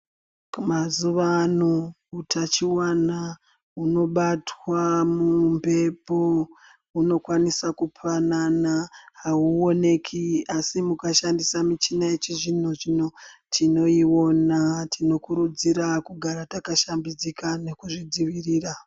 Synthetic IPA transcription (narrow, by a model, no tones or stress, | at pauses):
mazuʋano | utʰat͡ʃiwana | uno̞ɓatwamumbe̞po̞ | uno̞kwanisakupʰananaɦauo̞ne̞kʰiasimukaʃandisamit͡ʃinaet͡ʃiʐin̤oʐinotʰino̞iwo̞natʰino̞kuɾud͡ziɾakuɡʱaɾatakaʃambid͡zikane̞kuʐid͡ziʋiriːra